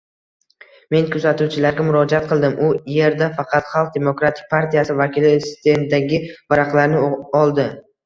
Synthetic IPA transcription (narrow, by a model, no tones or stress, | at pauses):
me̞nkʲʰɵzat̪uwt͡ʃʰɪlaɾɡʲamʊɾɒd͡ʒat̪̚qʰɨlˠd̪ɪmʔʊje̞ɾd̪afɑqʰɑt̪χɑlˠq̚d̪e̞mo̞kɾat̪ʰɪ̥k̚ʲpʰaɾt̪ijasɪvakʲɪlɪsɪ̥t̪end̪aɡʲɪvaɾaqlˠaɾnɪɒlˠd̪ɪ